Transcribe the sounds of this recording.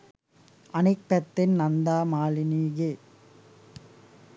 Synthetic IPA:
ʔɐnɪkːɐt̪ːɪnnɐnd̪aːmaːlɪniːɣeː

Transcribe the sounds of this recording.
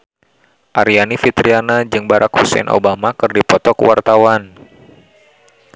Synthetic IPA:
ʔaɾianifit̪ɾianad͡ʒɨŋbaɾʔakhusɛ̰nʔo̰bamakɨrdipɔt̪ɔkəwart̪awan

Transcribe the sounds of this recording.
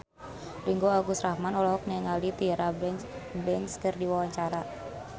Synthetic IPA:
riŋɡoaɡusɾahmanɔlaɦɔk̚nɛŋalit̪iɾabɛbɛnskərdiwawaɲt͡ʃaɾa

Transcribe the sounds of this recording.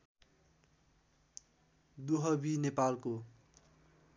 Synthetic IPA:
d̪uɦʌbinepalko

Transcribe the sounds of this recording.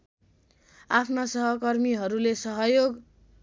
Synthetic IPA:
apʰnasʌɦʌkʌrmiɦʌɾulesʌɦʌjoɡ

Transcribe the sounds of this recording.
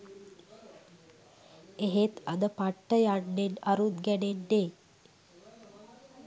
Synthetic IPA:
eɦet̪ad̪əpaʈːəjaɳːenaɾut̪ɡænenːe

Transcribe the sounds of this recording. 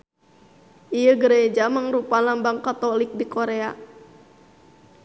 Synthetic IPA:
ʔijəɡɾed͡ʒaməŋrupalambaŋkat̪ɔlik̚dikoɾea

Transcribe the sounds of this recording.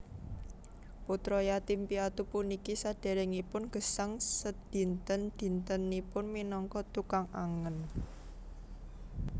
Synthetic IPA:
put̪ɾɔjat̪impiat̪upunikisad̪̥e̤ɾɛŋipʊnɡ̥ə̤saŋsəd̪̥i̤nt̪ənd̪̥i̤nt̪ənipʊnminɔŋkɔt̪ukaŋaŋən

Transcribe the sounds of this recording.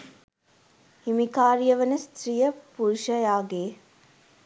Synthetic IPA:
himikaːɾijɐʋənəst̪ɾijəpuɾuʃɐjaːɡeː

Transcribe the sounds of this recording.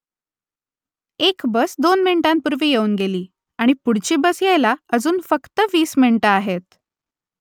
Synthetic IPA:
ekbəsd̪onmiɳʈampuɾʋiːjeuːnɡeliː | aɽ̃ipuɽ̤t͡ɕiːbəsjejlaəd͡zuːnfəkt̪əʋiːsminʈəaɦet̪̚

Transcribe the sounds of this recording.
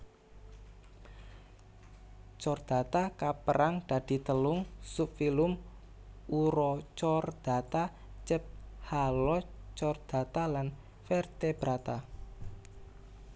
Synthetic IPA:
t͡ʃɔrd̪̥a̤t̪akapəɾʔaŋd̪̥a̤d̪̥i̤t̪əlʊŋsupfilʊm | uɾɔt͡ʃɔrd̪̥a̤t̪a | t͡ʃəp̚halɔt͡ʃɔrd̪̥a̤t̪alan | fɛrt̪ebɾat̪a

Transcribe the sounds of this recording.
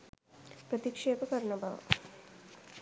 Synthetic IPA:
pɾət̪ikʂeːpəkɐɾɐnəbaʋə̰

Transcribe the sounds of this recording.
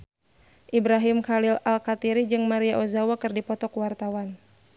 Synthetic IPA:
ʔibɾaɦimkalilalkat̪iɾid͡ʒɨŋmaɾiaʔɔzawakɨrdipɔt̪ɔkwart̪awan

